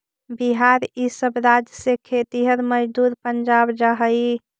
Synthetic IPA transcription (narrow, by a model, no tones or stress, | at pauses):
biɦaɾisəbɾad͡ʒjəsekʰet̪iɦəɾməd͡ʒd̪uɾpənd͡ʒabd͡ʒəɦəi